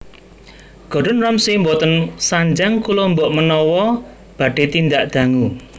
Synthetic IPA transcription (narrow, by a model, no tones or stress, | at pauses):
ɡ̥ɔ̤ɖɔ̤nrɔmsimbɔt̪ənsaɲd͡ʒaŋkulombɔʔmənɔwɔ | b̥a̤ɖ̥e̤t̪ind̪aʔd̪̥a̤ŋu